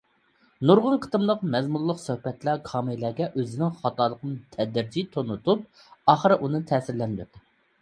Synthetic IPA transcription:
nuɾʁʊnqʰə̥t̪ɨmlˠəqmɛzmulˠːəqsøhpɛt̪lækʰɑːmɨlˠɛːɡʲɛʔøzɪnɪŋχɑt̪ɑːlˠəqʰənɨt̪ʰɛd̪ɪɾd͡ʒit̪ʰonut̪ʰup̚ | ɑːχəɾɨʔunɨt̪ʰɛːsɪɾlɛnd̪yt̪

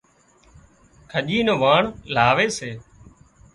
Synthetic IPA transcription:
kʰəʄiːnõːʋaːɳlaːʋeːseː

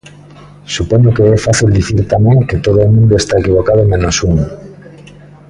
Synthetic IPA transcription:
supoɲokeɛfaθild̪iθiɾt̪amẽŋket̪oðoomũnd̪oest̪aekiβ̞okaðomẽnosuŋ

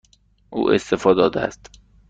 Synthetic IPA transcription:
ʔuːʔḛst̪efɒːd̪ɒːd̪eæ̰st̪

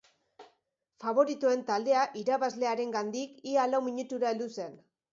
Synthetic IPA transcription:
faβ̞o̞ɾit̪ue̞nt̪ald̪e̞aʔiɾaβazle̞aɾe̞ŋɡand̪ikialawmiɲut̪uɾaeld̪use̞n

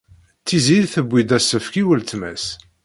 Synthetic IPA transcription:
t͡sːiziɾθəbʷːid̪æsːəfkiwəlt͡s̪mæ̰s

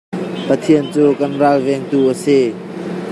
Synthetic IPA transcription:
pət̪ʰiənt͡suːkɐnralvɛŋt̪uʔəse

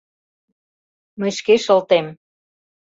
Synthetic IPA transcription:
məjʃkeʃəlt̪em

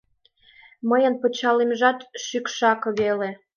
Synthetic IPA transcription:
məjənpət͡ɕɑlemʒɑt̪ʃykʃɑkɤβele

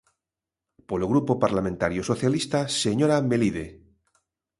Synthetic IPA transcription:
poloɣ̞ɾupopaɾlamẽnt̪aɾjosoθjalist̪aseɲoɾameliðe

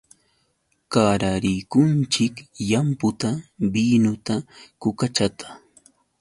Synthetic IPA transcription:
kaɾaɾɪjkʊnt͡ʃɪkjampʊt̪abinʊt̪akʊkat͡ʃat̪ʰḁ

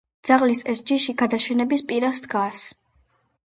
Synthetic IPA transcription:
d̪z̥aʁlisɛsd͡ʒiʃiɡad̪aʃɛnɛbispʼiɾasd̪ɡas

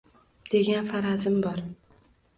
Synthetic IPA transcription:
d̪̥e̞ɡʲanfaɾazɪmbɒɾ

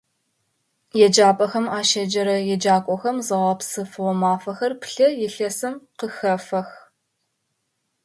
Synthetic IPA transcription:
jɛd͡ʒaːpʼɐxɐmaːʃɐd͡ʒɐɾɐjɛd͡ʒaːkʷʼɔxɐmzɨʁɐpsɨfɨʁʷɔmaːfɐxɐrpɬɐjɛɬɐsɨmqəxɐfɐx

